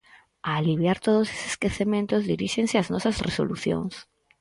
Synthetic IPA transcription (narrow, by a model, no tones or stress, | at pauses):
aːliβ̞jaɾt̪oð̞ose̥se̥skeθemẽnt̪ozðiɾiʃeŋsɪaznɔsɐsreso̰luθjo̰ŋs